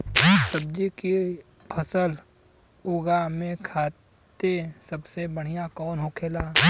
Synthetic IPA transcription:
sɐb̚d͡ʒiki | pʰəsəl | oːɡamẽkʰaː | t̪esɐbsebəɽ̤ijakɔːnɦoːkʰeːlaː

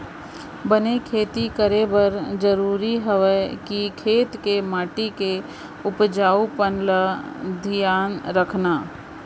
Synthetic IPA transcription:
bənekʰeːt̪ikəɾebəɾd͡ʒəɾuːɾiɦəʋəkikʰeːt̪kemaːʈike | ʊpd͡ʒaːupənləd̪ʱɪjaːnɾəkʰnaː

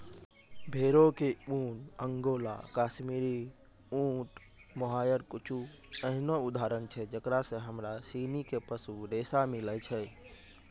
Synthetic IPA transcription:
bʱeɾokeunəŋɡola̰kasmiɾi | ũʈ | moɦajəɾkut͡ʃʰu | əɦnoud̪ʱaɾənt͡ʃʰɛd͡ʒəkɾasə̃ɦəmɾasinikepəsuɾesamilət͡ʃʰɛ

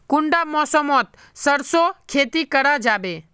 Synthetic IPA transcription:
kʊɳɖamɔsɔmɔt̪ | səɾsokʰeːt̪ikəɾad͡ʒaːbe

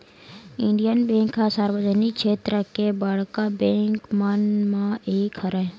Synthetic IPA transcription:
ɪ̃ɳɖijənbẽːŋkːasaɾwəd͡ʒənikʃeːt̪ɾəkebəɽkabẽːŋkmənmãeːkʰəɾɛː

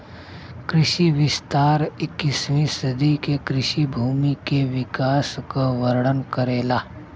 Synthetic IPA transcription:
kɾɪʃiʋɪst̪aːɾɪkːɪsʋisəd̪ikekɾɪʃibʱuːmikeʋɪkaːskaʋəɾɽənkəɾeːlaː

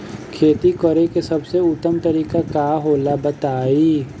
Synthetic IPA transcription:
kʰeːt̪ikɔɾekesɐbseʊt̪ːəmt̪ɐɾiːkakaːɦoːlabət̪aːiː

